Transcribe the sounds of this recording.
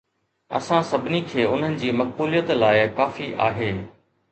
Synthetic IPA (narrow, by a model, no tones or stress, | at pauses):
ɐ̰sãsɐbʱɪnikʰeːʊn̤ənɪ̆d͡ʑiːmɐk̚buːlijət̪laːɪkaːfiʔa̰ːɦeː